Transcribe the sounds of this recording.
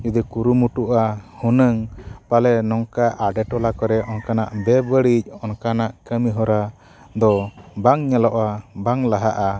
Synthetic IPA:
d͡ʒud̪ikuɾumuʈuʔahunəŋpalɛnɔŋkaʔaɖɛʈɔlakɔɾɛʔɔnkanaʔbɛbəɽic̚ˀɔnkanaʔkəmiɦɔɾa | d̪ɔbaŋɲɛlɔʔabaŋlaɦaʔa

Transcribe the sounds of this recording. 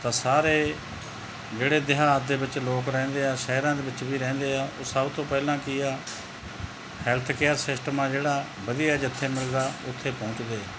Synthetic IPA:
t̪ãːsaːɾeː | d͡ʒeːɽeːd̪ɪɦaːd̪eːbɪt͡ʃloːkɾɛ̃ːnd̪eːaːʃəːɾãːd̪eːbɪt͡ʃbiːɾɛ̃ːnd̪eːaːʔoːsəbt̪õːpɛːlãːkɪaː | hɛlt̪ʰkeːəɾsɪsʈəmãːd͡ʒeːɽaː | bəd̪ijaɛːd͡ʒɪt̪ʰːeːmɪld̪aːʊt̪ʰːeːpɔ̃ːt͡ʃd̪eː

